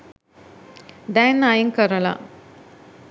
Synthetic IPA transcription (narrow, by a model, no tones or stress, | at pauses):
d̪ænajiŋkəɾəla̰